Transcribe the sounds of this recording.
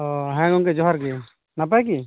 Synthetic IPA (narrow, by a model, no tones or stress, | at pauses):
ɔɦɛ̃ɡɔŋkɛd͡ʒɔɦaɾɡɛ | nap̬ajk̬i